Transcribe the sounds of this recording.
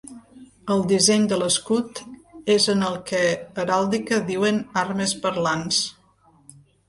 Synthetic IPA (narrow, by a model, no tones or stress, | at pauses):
əlˠd̪izɛɲd̪ələskut̪ezənəlˠkɛəɾalˠd̪ikəðiwənaɾməzpəɾlans